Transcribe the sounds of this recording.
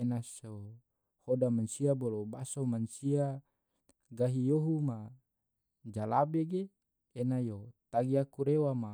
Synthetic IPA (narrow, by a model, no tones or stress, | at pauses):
enaso | hodamansiabolobasomansia | ɡaɦijoɦuma | d͡ʒalabeɡeː | najot̪aɡiakuɾewama